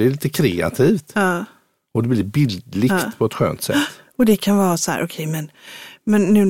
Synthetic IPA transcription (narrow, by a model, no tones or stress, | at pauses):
ɛɭiːt̪əkʰɾeːa̰t̪ʰiːft̪ɑː | ɔd̪ɛblɪbɪld̪lɪɡt̪pʰɔɛt̪ɧø̰ːnt̪sɛ̰tː | ɔd̪ɛkʰanvɑːɾasɔhæ̰ːɾʔɔkʰɛjmɛnmɛnːʉ̟ː